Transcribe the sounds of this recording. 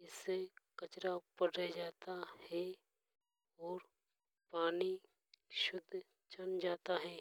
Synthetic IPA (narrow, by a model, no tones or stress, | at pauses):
ɪsekət͡ʃɾapəɽ̤ed͡ʒaːt̪ahɛ | ɔːɾ | paːni | ʃʊd̪ʱː | t͡ʃənd͡ʒaːt̪aɦɛː